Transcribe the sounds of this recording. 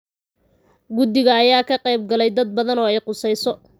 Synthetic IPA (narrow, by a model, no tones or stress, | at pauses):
ɡʊd̪ɪɣɐːjaːkʰɐqɛjb̚ɡɐlɛjd̪ɐd̪̚bɐðɐnɔːɛjqʊsɛjsɔ